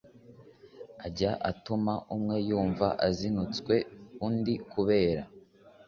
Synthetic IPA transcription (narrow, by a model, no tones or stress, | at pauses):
aɟaʔatumaʔumŋe̞juːɱva̰ʔazinut͡skwe̞undikuβe̞ːɾa̰